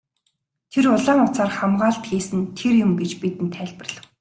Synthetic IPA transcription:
t̪ʰerʊɮaːŋʊt͡saːrχamɢaːɬt̪xiːsɘ̆nt̪ʰerjʊmɡet͡ɕpit̪ɘ̆nt̪ʰːæːɮʲpə̆rɮə̆ww

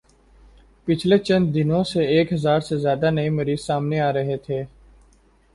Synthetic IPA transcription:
pɪt͡ʃʰlet͡ʃɐ̃nd̪̚d̪ɪnõseeːkɦɐzaːɾsezjaːd̪anɐimɐɾiːzsaːmneaːɾɐɦet̪ʰeː

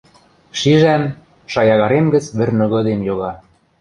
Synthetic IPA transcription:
ʃiʒæm | ʃɑjɑɣɑɾemɡə̆t͡sβɘ̆rnɤ̆ɣɤ̆d̪emjoɣɑ

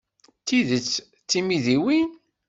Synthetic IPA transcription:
tiðət͡sː | t͡sːimiðiwin

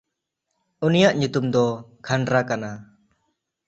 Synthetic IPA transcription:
unijaʔɲut̪umd̪ɔkʰanɾakana

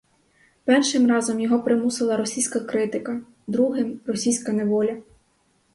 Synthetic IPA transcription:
pɛrʃɪmrɑzɔmjɔɦɔpɾɪmusɪlˠɐɾɔsʲijsʲkɐkɾɪt̪ɪkɐ | d̪ɾuɦɪmrɔsʲijsʲkɐneʋɔlʲɐ

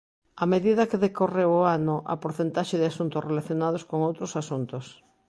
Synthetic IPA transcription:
ameðiðɐkeðekorewoanʊʔɐ̰poɾθent̪aʃeðɪasunt̪ʊsrelaθjonað̞oskoŋowt̪ɾosasunt̪os

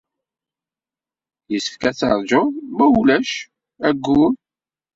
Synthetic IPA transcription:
jəsə̥fkæt͡sːɑɾˤd͡ʒomælæʃ | æɡːun

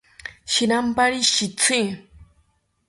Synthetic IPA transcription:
ʃiɾampaɾiʃit͡sʰi

